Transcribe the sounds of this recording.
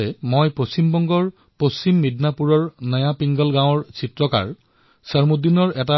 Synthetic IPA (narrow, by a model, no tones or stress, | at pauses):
ɛmojpost͡ɕimbɔŋɡɔɹ | post͡ɕimːidnapuɹɔɹnəjapiŋɡɔlɡãw̃ɔɹsitɹɔka̰ɹ | səɹmud̪inɔɹɛta